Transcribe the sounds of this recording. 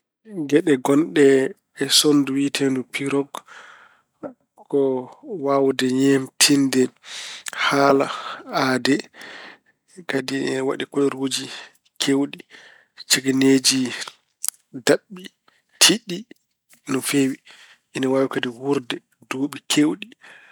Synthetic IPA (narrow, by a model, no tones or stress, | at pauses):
ɡɛɗɛɡɔnɗɛː | sonduwitʰɛndupʰiɾɔɡ | ɔwawdɛɲɛmtʰindɛ | haːlaadɛ | kadiwa̰ɗikɔɾod͡ʒi | kʰewɗi | t͡ʃeɡined͡ʒi | daɓːi | tʰiɗi | nɔfewi | ʔinawaːwikadihuɾdɛ | doːɓikʰewɗi